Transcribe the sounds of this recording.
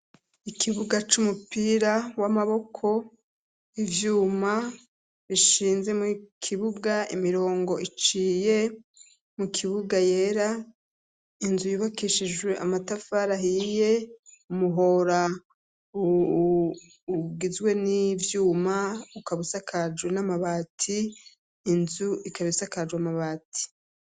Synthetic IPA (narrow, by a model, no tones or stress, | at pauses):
ikʰiβuɡat͡ʃumupiːɾawamaβo̞kʰo̞ | ivjuːma | βiʃiːnze̞mukʰiβuɡaimiɾo̞ːŋɡo̞it͡ʃiːje̞ | mukʰiβuɡaje̞ːɾa | inzujuβakiʃid͡ʒwe̞ʔamatafaɾaɦije̞umuɦo̞ɾa | u | ɡizɡwe̞nivjuːmaukaβisakʰad͡ʒwe̞namaβaːtʰiː | nzuʔikʰaβisakad͡ʒwamaβaːtʰi̥